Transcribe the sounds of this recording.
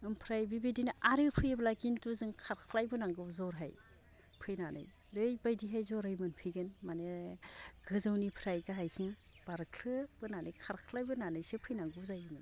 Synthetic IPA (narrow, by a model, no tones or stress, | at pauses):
ɯmpʰɾajbibidinʔaɾɯpʰɯjeblaɡintuzɯŋkʰaɾkʰlajbɯnaŋɡɯwzɔɾɦa̰j | pʰɯjnanɯ̰j | ɾɯjbajdiɦajzɔɾhajmɯnpʰɯjɡɯnmane | ɡɯzɯwnipʰɾajɡaɦajsʰiŋ | b̥aɾkʰlɯb̥ɯnanɯjkʰaɾkʰlajbɯnanɯjsepʰɯjnaŋɡɯzajɯmɯn